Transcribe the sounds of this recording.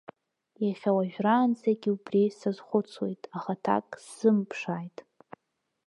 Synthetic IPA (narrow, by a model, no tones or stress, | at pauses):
jaχʲawaʒᶣraːnzʰaɡʲiubrisazχʷʊt͡sʰwejtʼaχatʰa̰kʼsz̥ɨmpʰʂajtʼ